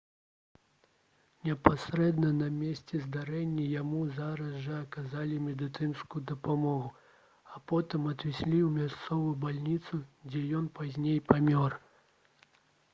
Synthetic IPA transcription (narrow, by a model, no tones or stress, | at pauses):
nʲɛpasɾɛd̪nɐnɐmʲesʲt͡sʲɛzd̪aɾɛnʲːɐjamuzaɾɐzʐɐːkazalʲimʲɛd̪ɨt̪ɨnskujud̪ɐpamɔɣu | apɔt̪ɨmɐd̪vʲisʲlʲiwmʲast̪sɔvujubalʲnʲit̪sud͡zʲɛjɔnpazʲnʲejpamʲɔr